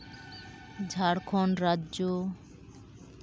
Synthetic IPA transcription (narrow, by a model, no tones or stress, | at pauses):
d͡ʑʱaɾkʰɔnɾadʑo